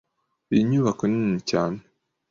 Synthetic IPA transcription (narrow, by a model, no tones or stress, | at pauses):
iɲuβakoninicaːne